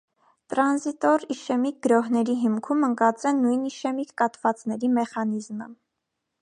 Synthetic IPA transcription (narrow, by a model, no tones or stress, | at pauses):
t̪ɾɑnzit̪ɔɾiʃɛmik̚ɡəɾɔɦnɛɾiɦimkʰuməŋkɑt͡sɛnujniʃɛmikʰːɑt̪vɑt͡sn̪ɛɾimɛχɑn̪izmə̰